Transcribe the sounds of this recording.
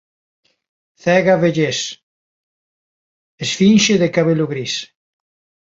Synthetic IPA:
θɛɣaβeʎes | esfinʃeðekaβelʊɣɾis

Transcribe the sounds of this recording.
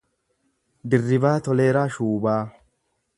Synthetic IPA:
d̪ɪrːɪbaːt̪ɔleːɾaːʃuːbaː

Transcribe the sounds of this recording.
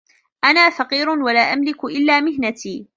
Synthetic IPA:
ʔanaːfɑqiːɾʊnwalaːʔamlɪkʊʔɪlːaːmɪɦnat̪ʰiː

